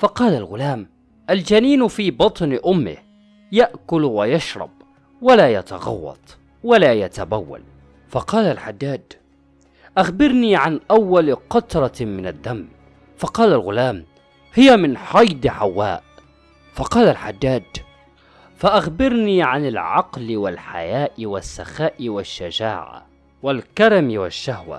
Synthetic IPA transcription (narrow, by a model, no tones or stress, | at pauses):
fɑqɑːlalɣʊlaːm | ʔald͡ʒaniːnfiːbɑt̪ˤnʔʊmːɪ̰h | jaʔkʊlwajɑʃɾˤɑ̰b | walaːjat̪a̰ɣɑ̰wːɑ̰t̪ˤ | walaːjat̪abawːa̰l | fɑqɑːlalħad̪ːaːd̪ | ʔaxbɪɾniːʕanʔawːalqɑt̪ɾˤɑmɪnad̪ːam | fɑqɑːlalɣʊlaːm | hɪjamɪnħɑjd̪ħawːaːʔ | fɑqɑːlalħad̪ːaːd̪ | faʔaxbɪɾniːʕanalʕɑqlwalħa̰jaːʔwasːaxaːʔwaʃːad͡ʒa̰ːʕa̰ | walkɑɾˤɑmwaʃːahwa̰